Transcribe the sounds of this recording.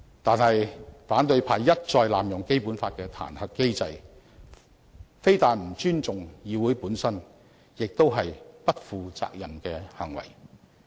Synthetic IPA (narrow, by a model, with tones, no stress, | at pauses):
t̪aː˨nhɐ˨jfaː˨˥nt̪ɵ˧ɥpʰaː˨˧jjːɐ˥t̚t͡sɔː˧jlaː˨mjʊ˨˩ŋke˥jpuː˨˥nfaː˧t̚kɛː˧t̪ʰa̰ː˨˩nhɐ˨kkːe˥jt͡sɐ˧j | fe˥jt̪aː˨tm̩˨˩t͡ʃyː˥nt͡sʊ˨ŋjiː˨˧wuː˨˥jpuː˨˥nsɐ˥n | jɪ˨k̚t̪o˥wɦɐ˨jpɐ˥t̚fuː˨˧t͡sa̰ː˧k̚jɐ˨mkɛː˧hɐ˨˩ŋwɐ̰˨˩j